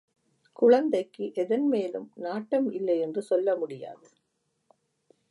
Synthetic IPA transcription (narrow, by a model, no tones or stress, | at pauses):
kʊɻɐnd̪ɐɪkːɯʔɛðɐnmeːlɯmnaːʈːɐmɪlːɐɪɛndrɯsɔlːɐmʊɽɪja̰ːðɯ